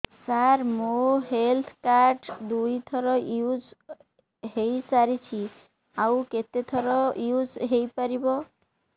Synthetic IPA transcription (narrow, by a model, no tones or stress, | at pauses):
saɾmoɦelt̪ʰkaɾʈd̪ujt̪ʰɔɾɔjud͡ʒ | ɦejsaɾit͡ʃʰi | awket̪et̪ʰɔɾɔjud͡ʒɦejpaɾibɔ